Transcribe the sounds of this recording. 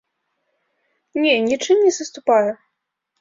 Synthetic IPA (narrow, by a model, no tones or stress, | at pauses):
nʲɛnʲit͡ʂɨmnʲɛzɐst̪upajɛ